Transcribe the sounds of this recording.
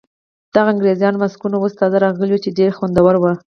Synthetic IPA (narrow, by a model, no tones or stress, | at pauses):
d̪̥aɣaaŋɡɾezjɑnmaskunawost̪ɑzaɾɑɣəliut͡ʃeɖeɾxwand̪awaɾwə